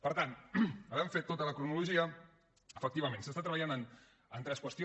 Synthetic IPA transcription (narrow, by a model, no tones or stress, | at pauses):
pəɾt̪anəβɛɱfet̪ːot̪ələkɾunuluʒiə | əfək̚t̪iβəmẽnsəst̪at̪ɾəβʎanən | ənt̪ɾɛskwəst̪io